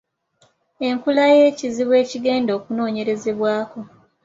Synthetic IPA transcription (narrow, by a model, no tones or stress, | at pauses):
e̞ŋkulaje̞ːciziβwe̞ːciɡe̞ːndo̞ːkuno̞ːɲe̞ɾe̞ze̞βwaːko̞